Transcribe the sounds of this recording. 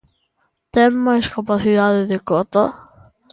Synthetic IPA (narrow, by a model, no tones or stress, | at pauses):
t̪emːaeskapaθiðaðeðekot̪a